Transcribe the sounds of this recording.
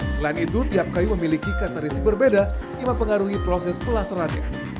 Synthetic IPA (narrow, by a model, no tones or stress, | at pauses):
səlainit̪ut̪iap̚kajuməmilikikart̪aɾisik̚bərbeda | iməpəŋaɾuɦipɾosɛspəlasaɾanɲa̰